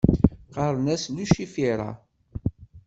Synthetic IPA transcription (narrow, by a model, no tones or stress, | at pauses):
qɑɾˤnæsluʃifiɾˤɑ̰